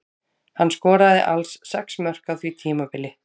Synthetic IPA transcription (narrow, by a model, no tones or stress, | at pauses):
hanːskɔːɾaðɪ̰ʔalsːɛksmœr̥kawθvit̪ʰiːmapɪlɪ